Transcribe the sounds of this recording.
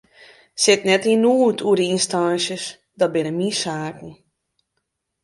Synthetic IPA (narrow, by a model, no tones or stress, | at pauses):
sɪtnɛtinuːtʰuədəinstaːnsjəs | dɔt̚bɪnəmisaːkn̩